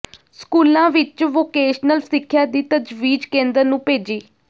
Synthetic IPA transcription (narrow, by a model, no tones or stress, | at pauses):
skuːlãːʋɪt͡ʃʋoːkeːʃnəlsɪkʰːjaːd̪iːt̪əd͡ʒʋiːd͡ʒkẽːnd̪əɾnũːpeːd͡ʒiː